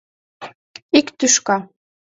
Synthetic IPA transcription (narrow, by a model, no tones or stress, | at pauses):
ikt̪yʃkɑ